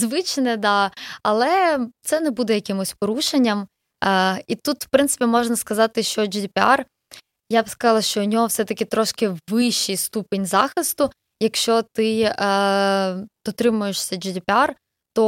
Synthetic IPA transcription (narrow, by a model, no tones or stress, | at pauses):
zʋɪt͡ʃnɛd̪ɑɐlˠɛt̪sɛnɛbud̪ɛjɐkɪmʊsʲpɔɾuʃenʲːɐm | it̪ut̪w̥pɾɪnsɪ̥pʲimɔʒnɐskɐzɑt̪ɪʃt͡ʃɔd͡ʒid̪ʲɪpʲɪɑr | jabskɐzɑlˠɐʃt͡ʃɔnʲɔɦɔwsɛt̪ɐkʲɪt̪ɾɔʃkɪʋɪʃt͡ʃːijst̪upenʲzɑxɪst̪ʊ | jɐkʃt͡ʃɔt̪ɪ | d̪̥ɔt̪ɾɪmʊjeʃsʲɐd͡ʒid̪ʲɪpʲɪɑr | t̪ɔ